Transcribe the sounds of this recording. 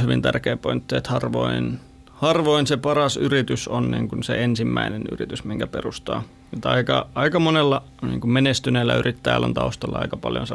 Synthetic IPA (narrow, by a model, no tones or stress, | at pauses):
hyʋint̪ærkeːpoint̪ːiet̪hɑrʋo̰in | hɑrʋoinsepɑrɑsyrit̪ysonnḭːŋkunsḛensimːæineny̰rit̪ysmiŋkæperust̪ɑ̰ː | mut̪ɑikɑɑikɑmonelːɑ | nḭːŋkummenest̪yneːlːæyrit̪ːæjæ̰lːo̰nt̪ɑust̪ɑlːɑɑ̰ikɑpɑljo̰nse